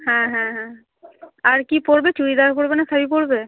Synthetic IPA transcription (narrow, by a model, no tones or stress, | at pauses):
hɛ̃ɦɛ̃ɦɛ̃ | aɹkipoɹbet͡ʃuɾid̪aɾpoɹbenasʰabipoɹbe